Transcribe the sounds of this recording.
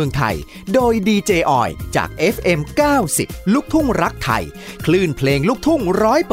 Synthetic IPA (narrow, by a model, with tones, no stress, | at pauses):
ɯ˧əŋt̪ʰa̰˧˩j | doː˧jdiː˧t͡ɕeː˧ʔɔ̰ː˨˩jt͡ɕa̰ː˨˩k̚ʔe˦˥fʔe˧mkaː˥˩wsḭ˨˩p̚luː˥˩k̚t̪ʰu˥˩ŋɾa˦˥k̚t̪ʰa̰˧j | kʰlɯː˥˩npʰleː˧ŋluː˥˩k̚t̪ʰu˥˩ŋɾɔː˦˥jp